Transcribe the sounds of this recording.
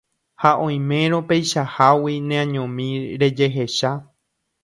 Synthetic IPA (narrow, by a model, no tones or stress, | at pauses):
haʔõ̞j̃mẽ̞ɾ̃õ̞pe̞jʃahawinẽãɲõmĩɾe̞d͡ʒe̞ɦe̞ʃa